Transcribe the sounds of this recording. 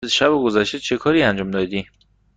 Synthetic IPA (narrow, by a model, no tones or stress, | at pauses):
ʃæboɡozæʃt̪et͡ʃʰe̞kʰɒːɾiænd͡ʒɒːmd̪ɒd̪i